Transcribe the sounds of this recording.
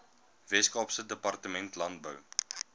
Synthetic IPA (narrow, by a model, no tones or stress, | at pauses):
vɛskɑːpsədəpɑrtəmɛntlɐnt̚bəw